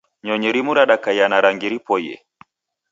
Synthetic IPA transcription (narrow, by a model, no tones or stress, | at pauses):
ɲɔɲɛɾimuɾaɗakajanaɾaŋɡiɾipɔjɛ̰